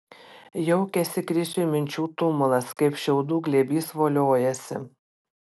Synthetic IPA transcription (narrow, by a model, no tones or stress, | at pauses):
jɛʊkʲɛsʲɪkɾʲɪsʲumʲɪnʲt͡ʃʲuːt̪ʊmʊlˠɐskɐɪpʃʲɛʊd̪uːɡlʲebʲiːsʋoːlʲoːjɛsʲɪ̰